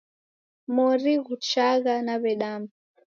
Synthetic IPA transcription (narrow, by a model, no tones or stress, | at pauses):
mɔɾiɣut͡ʃaɣanaβɛɗama